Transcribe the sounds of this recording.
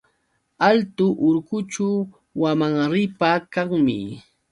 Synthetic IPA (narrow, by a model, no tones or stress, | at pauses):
alt̪ʊʔʊɾkʊt͡ʃa | wamaŋɾɪpakaŋmɪ̰